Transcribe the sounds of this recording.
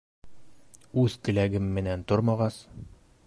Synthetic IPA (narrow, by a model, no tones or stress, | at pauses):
ʉðt̪ɘ̆læɡɘmːɘ̆nænt̪oɾmɑʁɑs